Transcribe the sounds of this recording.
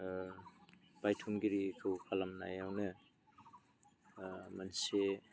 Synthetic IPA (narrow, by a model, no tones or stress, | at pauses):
b̥ajtʰumɡiɾikʰɯwkʰalamna̰jawnɯ | manse